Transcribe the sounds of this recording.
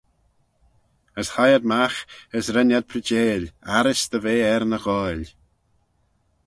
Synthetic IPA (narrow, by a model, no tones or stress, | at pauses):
əshajəd̪̚maxəsɾɛnjad̪̚pʰɾəd͡ʒeːlaɾɪsd̪əveːɛɾnəɣɔl